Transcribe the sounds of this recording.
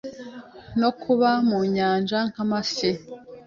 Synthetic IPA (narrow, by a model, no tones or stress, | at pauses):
no̞kʰuβamuɲaːnd͡ʒaŋ̥hamasi